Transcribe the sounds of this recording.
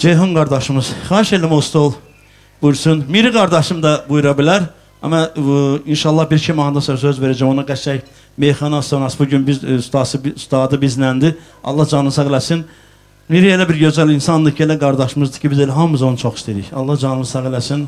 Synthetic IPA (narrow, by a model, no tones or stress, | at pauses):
d͡ʒejɦonɡɑɾd̪ɑʃɯmɯz̥χɑːɾiʃelæmost̪olˠ | b̥uɾsunmiɾiɡɑɾd̪ɑʃɯmd̪ɑbujuɾɑbilæɾ | æ̰mɑinʃɑlˠːɑhbiɾt͡ʃʰimɑnd̪ɑsøsøzve̞ɾæd͡ʒæmonɑɡææç | me̞jχɑnɑst̪onɑsbuɟynbizst̪ɑsst̪ɑːd̪ɯbizlænd̪i | ɑ̰lˠːɑhd͡ʒɑnɯnɯsɑɣlæsin | miɾielæbiɾɟø̞zælinsɑnd̪ɯcʰielæɡɑɾd̪ɑʃɯmɯzd̪ɯ̥cʰibizelæɦɑmuzonut͡ʃʰo̞xist̪iɾḭçɑ̰lˠːɑhd͡ʒɑnɯnɯsɑɣlæsin